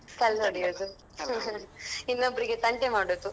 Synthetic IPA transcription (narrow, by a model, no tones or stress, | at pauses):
sɐlɐɽijod̪u | inːɐbɐɾiɡet̪ɐɳʈemaːɽoːt̪ːu